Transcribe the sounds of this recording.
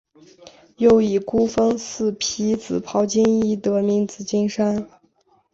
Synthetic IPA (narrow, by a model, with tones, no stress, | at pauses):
jo˥˩ʊi˨˩ku˥fɤ˥ŋsɹ̩˥˩pʰi˧˥t͡sɹ̩˨˩pʰɑ˧˥ʊt͡ɕi˥ŋi˥˩t̪ɤ˧˥mi˧˥ŋt͡sɹ̩˨˩t͡ɕi˥ŋʂa˥n